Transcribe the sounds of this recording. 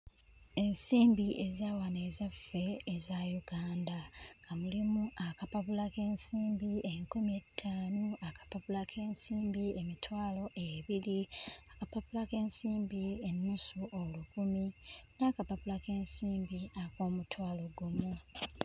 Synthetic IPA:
e̞nsiːmbiezawane̞zafe̞ːzajuɡaːndaŋɡamulimuʔakapaβulake̞ːnsiːmbieŋkumietʰːaːnuakḁpaβulakʰe̞ːnsiːmbiemitwaːlo̞ʔeβiliakapaβulake̞ːnsiːmbienːusuʔolukuminaːkapapulake̞ːnsiːmbiakoːmutwaːlo̞ɡumu

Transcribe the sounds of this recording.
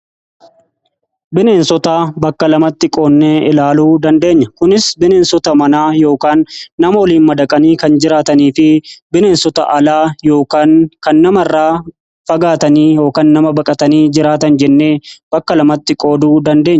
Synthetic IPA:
bɪne̞ːnsɔt̪aːbɐkːɐlɐmɐt̪ːɪkʼo̞ːnːeːɪlaːluːd̪ɐnd̪e̞ːɲːɐkʊnɪsbɪne̞ːnsɔt̪ɐmɐnaːjo̞ːkaːnːɐmɐwɔliːnmɐd̪ɐkʼɐniːkɐnd͡ʒɪɾaːt̪ɐniːfɪbɪne̞ːnsɔt̪ɐ̰ʔɐlaːjo̞ːkaːnkɐnːɐmɪrːaː | fɐɡaːt̪ɐniːjo̞ːkaːnːɐmɐbɐkʼɐt̪ɐniːd͡ʒɪɾaːt̪ɐnd͡ʒɛnːe̞ːb̥ɐkːɐlɐmɐt̪ːɪkʼo̞ːd̪uːd̪ɐnd̪e̞ːɲː

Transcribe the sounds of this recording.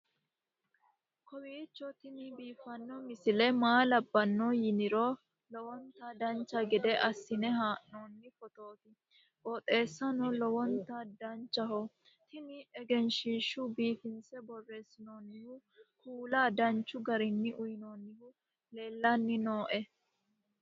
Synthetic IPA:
kʰɔwiːt͡ʃːɔt̪ɪnɪbiːfɐnːɔmɪsɪlɛmaːlɐbːɐnːɔjɪnɪɾɔ | lɔwɔnt̪ɐd̪ɐnt͡ʃːɐɡɪd̪ɛʔɐsːɪnɛɦaːʔnoːnːɪfɔt̪o̞ːt̪ɪ | bɔt̪ʼe̞ːsːɐnɔlɔwɔnt̪ɐd̪ɐnt͡ʃːɐhɔ | t̪ʰɪnɪɛɡɛnʃiːʃʊbiːfɪnsɛbɔrːe̞ːsɪnonːɪhʊkʰuːlaːd̪ɐnt͡ʃːʊɡɐɾɪnːɪʔʊjɪnoːnːɪhʊ | le̞ːlːɐnːɪnoːʔɛ

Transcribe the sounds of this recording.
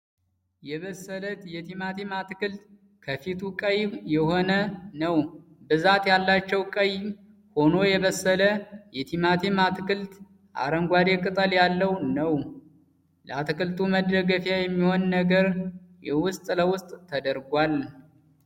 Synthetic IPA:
jɛβəsːələt̪jɛt̪ʰimat̪ʰemat̪ɨkɨlt̪ | kʰəfit̪ʰukʼəjjɛho̞nənəw | bɨzat̪jalːat͡ʃːɛwkʼəj | ho̞no̞jɛβəsːələjɛt̪ʰimat̪ʰemat̪ʰkɨlt̪ | ʔa̰ɾəŋɡʷaɾekʼɨt̪ʼəljalːəwnəw | ləat̪ɨkʰɨlt̪ʰʼuməd̪ɾəɡəfjajɛmːiho̞nnəɡəɾjɛwʊst̪ʼləwʊst̪ʼʰːəd̪əɾɡʷal

